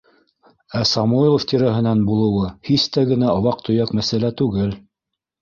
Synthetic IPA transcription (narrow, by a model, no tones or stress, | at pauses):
æsɑmuilˠoft̪iɾæɦɘ̆nænbulˠɤ̆wɤhist̪æɡɘ̆næɑwɑq̚t̪ɵ̆jɑkmæsælæt̪ʉɡɘl